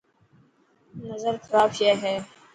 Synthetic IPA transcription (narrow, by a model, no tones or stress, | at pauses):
nəzəɾkʰɾaːfijeːɦɛː